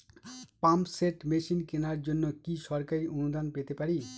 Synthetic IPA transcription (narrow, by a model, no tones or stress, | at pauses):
pampseʈmeʃinkenaɾd͡ʑonːokiʃɔɾkaɾiʔonud̪anpet̪epaɾi